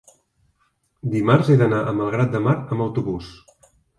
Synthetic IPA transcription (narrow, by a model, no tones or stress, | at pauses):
d̪imarzeðənaʔəməlˠɣ̞ɾat̪̚d̪əmaɾəmbəwt̪uβus